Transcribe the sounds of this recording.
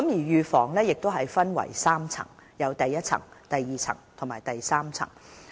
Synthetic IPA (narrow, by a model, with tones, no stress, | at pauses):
kɐ˨˥mjiː˨˩jyː˨˧fɔː˨˩ŋlɛː˥jɪ˨k̚t̪o˥wɦɐ˨jfɐ˥nwɐ̰˨˩jsaː˥mt͡sʰɐ̰˨˩ŋjɐ˨˧wt̪ɐ˨jːɐ˥t̚t͡sʰɐ̰˨˩ŋt̪ɐ˨jːiː˨t͡sʰɐ̰˨˩ŋt̪ʰo˨˩ŋmaː˨˩jt̪ɐ˨jsaː˥mt͡sʰɐ̰˨˩ŋ